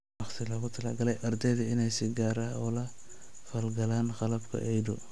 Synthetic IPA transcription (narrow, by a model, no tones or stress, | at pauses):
wɑχt̪ʰɪlɐɣʊt̪ʰɐlaːɡɐlɛjʔɐrd̪ɛjðɐɪnɛjsɪɡaːɾaːɔːlɐ | fɐlɡɐlaːnqɑlɐbkʰɐ̰ʔɛjdʊ̰